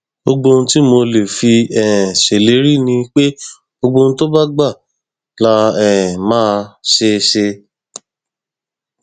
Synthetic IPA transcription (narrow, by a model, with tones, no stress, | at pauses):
o˧ɡ͡bõ˧n̩˦ti˦mo˧le˨fi˧ɛ˨ɛ̃˨ʃe˨le˨˦ɾi˦˨nĩ˧k͡pe˦ | o˧ɡ͡bõ˧n̩˦to˦ba˦ɡ͡ba˦˨ | la˧ɛ˨ɛ˨mãː˦˧ʃe˧ʃe˧